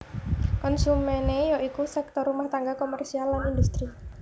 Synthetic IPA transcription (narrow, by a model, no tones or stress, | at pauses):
kɔnsumɛnejɔʔikusɛk̚t̪ɔrumaht̪aŋɡakɔmɛrsialːanind̪ust̪ɾi